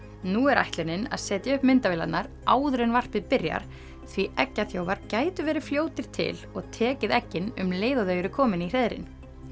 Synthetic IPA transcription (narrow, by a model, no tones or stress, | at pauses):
nuɛɾʔa̰jht̪lɛnɪna̰ðsɛːt̪jaʏhpmɪnt̪avɪːla̰t̪naɾ | aːwðɾɛnvar̥pɪðpɪɾja̰ɾ̥ | θviʔɛcːaθjoːwvaɾcaːjt̪ʏvɛːɾɪ̥fljoːwt̪ɪɾ̥t̪ʰɪ̰lɔɣt̪ʰɛːcɪðɛcːɪnʏmleːjðaðœɥjʏɾɪkʰɔːmɪnir̥ɛðɾɪ̰n